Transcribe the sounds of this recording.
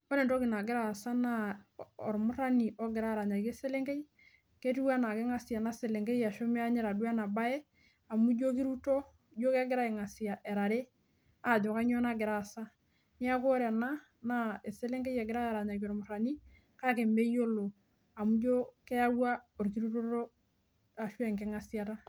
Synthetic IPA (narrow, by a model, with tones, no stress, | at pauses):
o˦ɾe˨nto˦kɪ˨na˨ɡɪ˦ɾa˦˨sa˦na˦ɔ˨ɾmʊ˦ɾa˦ni˨ʔo˦ɡɪ˨ɾa˦˨ɾa˨ɲa˨ke˦se˦le˦ŋke˦j | ke˦tu˦wa˦na˨ke˦ŋa˦si˨ja˨na˦se˨le˨ŋɡe˦ja˨ʃo˦me˦a˦ɲe˦ɾa˨du˦a˦na˨ba˦e˦ | a˨mu˦d͡ʒo˦k̬i˦ɾu˦to˦ | d͡ʒo˦ke˦ɡɪ˦ɾa˦e˨ŋa˨si˨ja˨ʔe˨ɾa˨ɾe˦ | a˨d͡ʒo˨ka˦ɲo˦na˦ɡɪ˨ɾa˨sa˦ | ɲ˦a˦ko˦ɾe˨na˦ | na˦e˨se˦le˦ŋke˦je˨ɡɪ˦ɾa˦˨ɾa˨ɲa˨ko˨ɾmʊ˨ɾa˨ni˦ | ka˦ke˨mbe˦jo˦lo˨ | a˨mu˦d͡ʒo˦ke˦ja˦wa˦o˨ɾki˦ɾu˦to˦ɾo˦ | a˨ʃu˦e˨ŋke˦ŋa˨si˦a˦ta˦